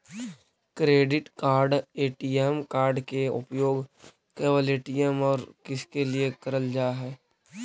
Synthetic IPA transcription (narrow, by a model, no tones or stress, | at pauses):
kɾeːɖɪʈkaːɾɖeːʈiːjɛmkaːɾɖkeʊ̰pjoːɡ | keːʋəleʈijemɔːɾkɪskeliekəɾəld͡ʒaːɦɛː